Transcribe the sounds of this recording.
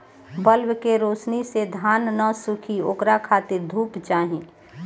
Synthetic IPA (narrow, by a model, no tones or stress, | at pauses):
bəlwkeɾoːsnised̪ʱaːnːəsʊkʰioːkɾakʰaːt̪ɪɾd̪ʱuːpt͡ʃaːɦĩː